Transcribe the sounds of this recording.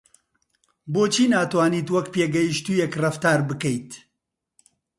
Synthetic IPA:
boːt͡ʃʰiːnaːt̪waːniːt̪wɐkpeːɡɛjiʃt̪uːjɛkrɐft̪aːɾbɨkɛjt̪

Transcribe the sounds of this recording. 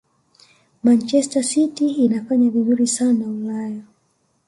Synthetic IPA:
mant͡ʃɛstasitiːnafaɲavizuɾisanaulaja

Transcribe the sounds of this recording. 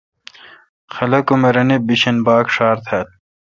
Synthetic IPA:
xɐlɐkumɐɾɐnebiɕɐnbaːkʂaːɾt̪ʰɐl̚

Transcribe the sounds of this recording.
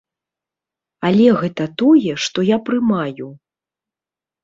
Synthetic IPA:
alʲɛɣɛt̪ɐt̪ɔjɛʂt̪ɔjapɾɨmaju

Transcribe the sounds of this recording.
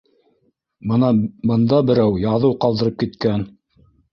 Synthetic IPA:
bɤnɑbɤ̆nd̪ɑbɘ̆ɾæwjɑðɤwqɑlˠd̪ɤ̆ɾɤp̚kit̪kæn

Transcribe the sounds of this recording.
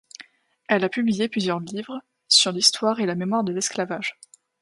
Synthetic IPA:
ɛlapyblijeplyzjœʁlivʁ | syʁlist̪waʁelamemwaʁd̪əlɛsklavaʒ

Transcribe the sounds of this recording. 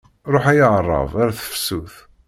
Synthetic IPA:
ɾˤoħæjəʁərˤːɑ̰vaɾæθə̥fsuθ

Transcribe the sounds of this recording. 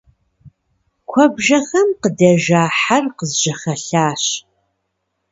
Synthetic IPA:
kʷʰɐbʒɐxɐmqədɐʒaːħarqəzʒɐχɐɬaːɕ

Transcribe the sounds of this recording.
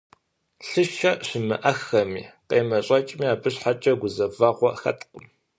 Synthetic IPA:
ɬɨʃɐɕɪmɨ̰ʔɐxɐmiːqeːmɐɕʼɐt͡ʃʼmiaːbɨɕħat͡ʃʼɐɡʷʊzɐvaːʁʷɔxɐ̰tʰʼqəm

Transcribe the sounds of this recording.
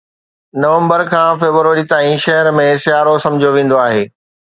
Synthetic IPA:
nɐʋə̃mbəɾkʰãːfeːbʋəɾit̪aːĩʃɐɦəɾmẽsɪjaːɾosɐ̃md͡ʑʱijoʋẽːn̆d̪oaːɦeː

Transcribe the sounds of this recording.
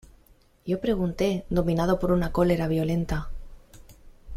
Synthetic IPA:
jo̞pɾe̞ɣ̞unt̪e̞d̪o̞mĩnað̞o̞po̞ɾunako̞le̞ɾaβ̞jo̞le̞nt̪a

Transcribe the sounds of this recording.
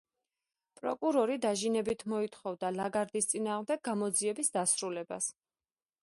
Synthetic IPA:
pʼɾɔkʼuɾɔɾid̪aʒinɛbit̪ʰmɔit̪ʰχɔvd̪alaɡaɾd̪ist̪sʼinaːʁmd̪ɛɡ̚ːamɔd̪ziɛbisd̪asɾulɛba̰s

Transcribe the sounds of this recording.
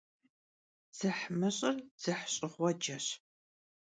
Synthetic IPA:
z̥ɨħmɨɕʼɐrz̥ɨħɕʼɪʁʷɔd͡ʒɐɕ

